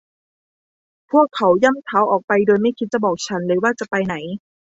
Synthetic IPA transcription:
pʰu˥˩əkʰːa˩˦wja˥˩˨mt̪ʰa˦˥wʔɔː˨˩k̚pa˧jdoː˧jma˥˩jkʰi˦˥t̪̚t͡ɕa˨˩bɔː˨˩k̚t͡ɕʰa˦˥nɾɯː˨˦waː˥˩t͡ɕa˨˩pa˧jna˩˦j

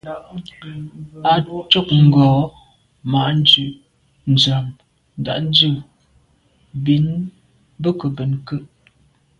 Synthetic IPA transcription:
a˨t͡ʃo˦˨k̚ŋ̩˨ɡɔː˨˦ | ma˨ʔn˦d͡ʒʉ˨ʔ | n̩˨d͡ʒa˨m | n̩˨da̰˨ʔn̩˦d͡ʒʉ˦˨ | bi˨˦n | bə˦kə˨bə˨nkə˦ʔ

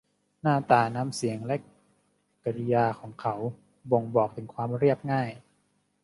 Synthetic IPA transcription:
naː˥˩t̪aː˨˩na˧˥˩msi˩˦əŋlɛ˦˥ | ka˧ɾi˧jaː˧kʰɔː˩˦ŋkʰa˦˥w | bo˧˩ŋbɔː˨˩k̚t̪ʰɯ˩˦ŋkʰwaː˧mɾi˥˩əp̚ŋaː˥˩j

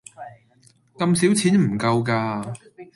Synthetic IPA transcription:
kɐ˧msiː˨˥wt͡sʰiː˨˥nm̩˨˩kɐ˧wkaː˧

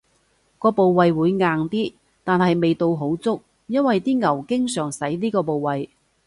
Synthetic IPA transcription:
kɔː˧po˨wwɐ˨jwuː˨˧jŋaː˨ŋt̪iː˥ | t̪aː˨nɦɐ˨jme˨jt̪o˧wɦo˨˥wt͡sʊ˥k̚ | jɐ˥nwɐ˨jt̪iː˥ŋɐ˨˩wkɪ˥ŋsœː˨˩ŋsɐ˨˥jliː˥kɔː˧po˨wwɐ˨j

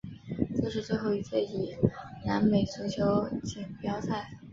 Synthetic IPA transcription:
ʈ͡ʂɤ˥˧ʂɻ̩˥˧t͡swe˥˧ɪxo˥˩ʊi˧˥t͡ɕʰɛ˥˩ɪi˨˩na˧˥nme˨˩ɪt͡sʰɤ˧˥t͡ɕʰjo˧˥ʊt͡ɕi˨˩ŋpjɑ˥ʊt͡sʰa˥˩ɪ

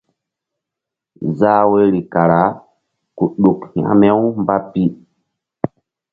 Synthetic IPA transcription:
za˦we˦ɾi˨ka˨ɾa˨˦ | ku˨ɗo˨khia̰˦mɛ˦wmba˦pi˦

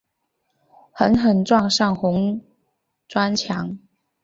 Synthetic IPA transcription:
xə˧˥nxə˨˩nʈ͡ʂwɑ˥˧ŋʂɑ˥˩ŋxʊ˧˥ŋ | ʈ͡ʂwa˥nt͡ɕʰjɑ˧˥˦ŋ

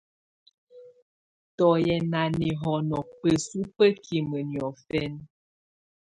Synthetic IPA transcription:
tɔ˨jɛ˨na˨ni˨ɦɔ˨nɔ˨pə˨su˦pə˦kʰi˨mə˨njɔ˨fɛ˦n

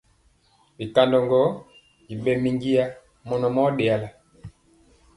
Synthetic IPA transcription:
bi˨ka˨ndɔ˨ŋɡɔ˦ | i˨bɛ˨mi˨ŋɡi˦ja˦ | mɔ˨nɔ˨mɔ˦ɗɛ˨a˨la˨

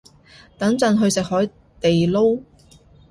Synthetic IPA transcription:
t̪ɐ˨˥ŋt͡sɐ˧nɦɵ˧ɥsɪ˨k̚hɔː˨˥j | t̪e˨jlo˥w

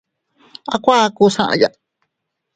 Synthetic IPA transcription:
a˧kʷa˦˧ku˧sã˦ʔã̰˧ja̰˧

